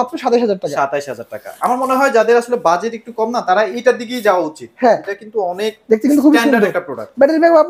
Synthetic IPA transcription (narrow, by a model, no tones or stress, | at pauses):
ɔt̪ʰːoʃat̪aiʃɦad͡ʑaɾ̚ʈaʃkaʃat̪aiʃɦad͡ʑaɾ̚ʈaka̰amaɾmoneɦɔed͡ʑad̪eɾaʃolebad͡ʑeʈek̚ʈukɔmnat̪aɾaejʈad̪iɡijd͡ʑaoaut͡ɕit̪̚hɛ̃eʈakint̪uɔnek̚d̪ek̚t̪ikint̪ukʰubiɛnɖaɾɛk̚ʈapɾoɽa̰k̚bɛʈelbɛkbʱab